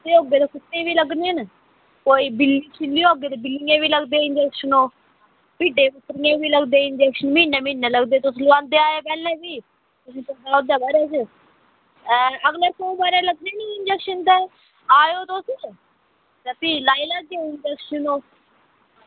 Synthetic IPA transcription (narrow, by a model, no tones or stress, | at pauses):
d̪eːɦoːɡeːt̪ãːkɪt̪ːẽːʋiːləɡneːn | koːiːbɪlːiːt͡ʃʰɪlːiːɦoːɡeːt̪eːbɪlijãːʋiːləɡd̪eːɪnd͡ʒɛːkʃənoː | biːɖẽːpʊt̪ːɾɪjãːbiːləɡd̪eːɪnd͡ʒɛːkʃənmiːnẽːmiːnẽːləɡd̪eːt̪ʊslʋãːnd̪eːaːeːpɛːlẽːbiː | t̪ʊsĩːpəd̪aːʊd̪aːbaːɾaːt͡ʃə | əɡləːt̪obaːɾeːləɡ̚d̪eːniɪnd͡ʒɛːkʃənt̪ɛː | aːjoːt̪osĩːt͡ʃ | t̪eːpiːlaːiːlaɡd̪eoːɪnd͡ʒɛːkʃənoː